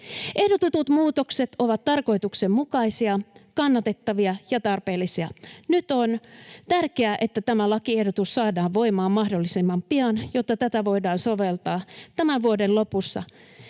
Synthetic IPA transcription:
ʔehdot̪ut̪ut̪muːt̪okset̪oʋɑt̪t̪ɑrko̞it̪uksemmukɑisiɑkɑnːɑt̪e̞t̪ːɑʋiɑjɑt̪ɑrpe̞ːlːisiɑnyt̪ont̪ærkeæʔe̞t̪ːæt̪æmælɑkiehdot̪usːɑːdɑːʋʋoimɑːmɑhdolːisemːɑmpiɑnjot̪ːɑt̪æt̪æʋo̞idɑːnso̞ʋelt̪ɑːt̪æmænʋuodenlo̞pusːɑ̰

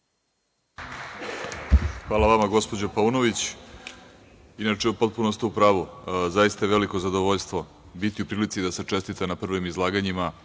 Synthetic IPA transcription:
xʋaːlaʋamaɡo̞spo̞d͡ʑopaunoʋit͡ɕ | inat͡ʂeupo̞t̪̚punost̪iupɾaːʋuzajist̪aeʋe̞liko̞zad̪oʋoʎst̪ʋo̞ | bit̪iupɾiːlit̪sid̪aset͡ʂe̞st̪it̪anapr̩ʋimizlˠaːɡaɲima

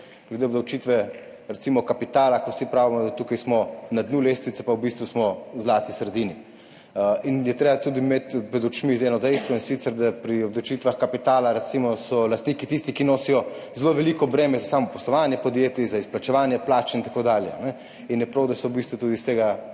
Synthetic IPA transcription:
ɡ̥led̪eɔbd̪ɐwt͡ʃit̪ʋɛɾɛt̪imɔkapit̪aːlakowsipɾaːvimɔd̪at̪ukajsmɔnad̪nuleːst̪ʋit̪sɛ̥pawbist̪ʋusmɔzlaːt̪isɾɛd̪iːni | injɛt̪ɾeːbat̪uːd̪imet̪pɾɛd̪ut͡ʃmit̪ɛnɔd̪ɛjst̪ʋɔinsit̪sɛɾd̪apɾiɔb̚d̪ɐwt͡ʃit̪ʋaxkapit̪aːlaɾɛt̪simɔsɔlast̪nikit̪ist̪ikinoːsijɔzloʋɛliːkɔbɾɛːmɛzasaːmɔpɔslɔʋanjɛpɔd̪jet̪izaisplat͡ʃɛʋaːnjɛplaːt͡ʃint̪ḁkoːd̪aːljɛ̰a̰nɛ | injɛpɾowd̪asɔwbist̪ʋut̪uːd̪ist̪eːɡa

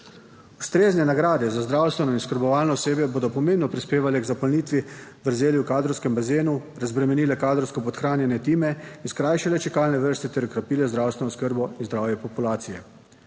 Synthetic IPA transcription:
ust̪ɾeːznɛnaɡɾaːd̪ɛzazd̪ɾaːwst̪ʋɛnɔinskəɾbɔʋaːlnɔɔseːbjɛboːd̪ɔpɔmeːmnɔpɾispeːʋalɛɡzapɔlniːt̪ʋiʋəɾzeːljiwkaːd̪ɾɔwskɛmbazeːnuɾazbɾɛmɛniːlɛkaːd̪ɾɔwskɔpɔt̪xɾaːnjɛnjɛt̪iːmɛinskɾaːjʃalɛt͡ʃɛkaːlnɛʋəɾst̪it̪ɛɾukɾapiːlɛzd̪ɾaːwst̪ɛnɔskəɾbɔinzd̪ɾaːwjɛpɔpulaːt̪sijɛ

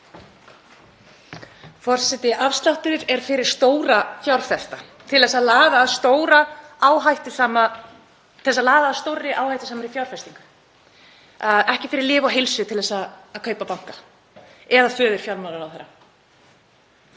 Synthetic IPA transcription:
fɔr̥sɛt̪ɪʔafst̪aht̪ʏɾɪɾɛɾ̥fɪɾɪɾ̥st̪oːwɾafjawɾ̥fɛst̪a | t̪ʰɪlðɛsːaðlaːðaːðst̪oːwɾaaːwɦajht̪ʏ̥sama | θɛsːalaːðaːðst̪owrːɪʔaːwhajht̪ʏ̥saːmaɾɪfjawɾ̥fɛst̪iŋkḁ | aɛhcɪfɪɾɪɾlɪːvaɦɪlsʏt̪ʰɪlðɛsaːðkʰœːɥpapawŋ̥ka | ɛðafœːðʏɾ̥fjawlmaɾaɾawθɛɾːa

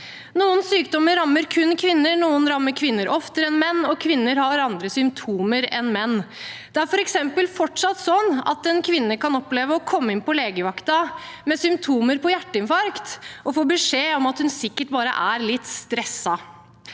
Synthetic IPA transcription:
nuːənsyːkd̪ɔmːəɾɑmːəɾkʰʉnkʰʋɪnːənuːənɾɑmːəɾkʰʋɪnːəɾʔɔft̪əɾɛnmɛnːɔkʰʋɪnːəɾhɑɾɑnd̪ɾəsʏmpt̪ʰuːməɾɛnmɛnːd̪̥ɛæɾfɔɾɛksɛmpəlfɔʈʂɑt̪sɔnːɑ̰t̪ɛnkʰʋɪnːəkɑnɔpleːʋəɔkʰɔmːəɪnpɔleːɡəʋɑkt̪ɑmɛsʏmpt̪ʰuːməɾpʰɔjæʈːəɪnfɑɾkt̪ʔɔfoːbəʂeːɔmɑt̪hʉnsɪkːəʈbɑːɾə̰ʔæɾlɪt̪ːst̪ɾɛsːɑ

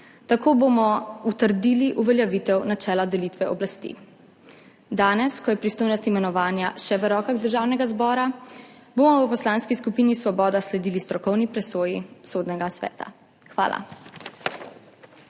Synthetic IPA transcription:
t̪akoːbomɔut̪əɾd̪iːliʔuʋɛljaʋit̪ɛwnat͡ʃɛːlad̪ɛlit̪ʋɛɔblast̪ḭ | d̪aːnɛskɔjɛpɾist̪oːjnɔst̪imɛnɔʋaːnjaʃɛʋəɾɔːkaɣd̪əɾʒaːwnɛɡazbɔːɾa | bomɔwəpɔslaːnskiskupiːnisʋɔbɔːd̪aslɛd̪iːlist̪ɾɔkɔwnipɾɛsoːjisod̪nɛɡasʋɛ̰ːt̪a̰ | xʋa̰ːla̰

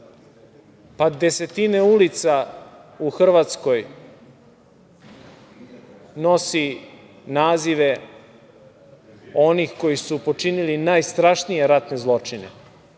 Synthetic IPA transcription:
pad̪e̞se̞t̪ineulit̪sauxr̩ʋat̪sko̞j | no̞si | naːziʋe | o̞nixko̞jisupo̞t͡ʂinilinaːjst̪ɾaʃnije̞ɾat̪nezlˠo̞t͡ʂinḛ

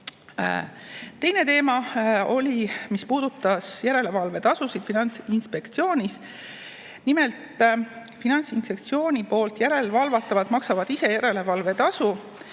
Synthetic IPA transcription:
t̪e̞jne̞t̪e̞ːmɑo̞lʲimispuːd̪̥ut̪ːˑɑsjæɾe̞le̞vɑlve̞t̪ɑsusid̪̥finɑnt̪sinspe̞kt̪sio̞ːnʲis | nime̞lt̪ˑfinɑnsinspe̞k̚t̪sio̞ːnʲipo̞ːlt̪jæɾe̞lvɑlvɑt̪ːˑɑvɑt̪mɑksɑvɑd̪̥ise̞jæɾe̞le̞vɑlve̞t̪ɑsu

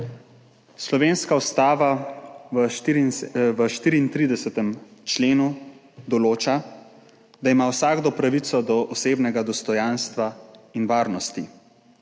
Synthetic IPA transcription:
slɔʋeːnskaust̪aːʋa | ʋəʃt̪iːɾiːnt̪ɾiːd̪ɛsɛt̪ɛmt͡ʃleːnu | d̪ɔloːt͡ʃa | d̪aimawsaːɡd̪ɔpɾaʋit̪sɔd̪ɔʔɔseːbnɛɡad̪ɔst̪ɔjanst̪ʋainʋaːɾnɔst̪i

